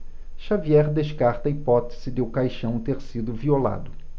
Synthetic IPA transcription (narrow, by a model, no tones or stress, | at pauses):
ʃaviɛɾd̪eʃkaɾt̪ɐipɔt̪e̥z̥ɪd̪ɪʊkajʃɐ̃w̃t̪eɾsid̪ʊviola̰d̪ʊ